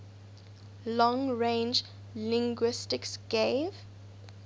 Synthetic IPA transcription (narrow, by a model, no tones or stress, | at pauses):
lɔ̃ŋɹẽnd͡ʒ | lĩŋɡwɪstɪksɡ̥eɪv